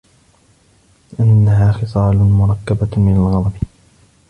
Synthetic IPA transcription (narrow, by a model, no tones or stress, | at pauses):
ɪʔanːaɦaːxɨsˤɑːlʊmʊɾˤɑkːabamɪnalɣɑd̪ˤɑb